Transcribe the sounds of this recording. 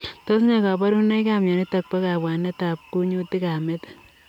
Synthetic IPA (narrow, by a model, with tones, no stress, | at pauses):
to˦sɲa˨ka˨pa˦ɾu˦ne˦ka˨mjɔ˨ni˦ta˨k̚pe˦ka˨pwa˨ne˦ta˨p̚ku˦ɲu˦ti˦ka˨me˦t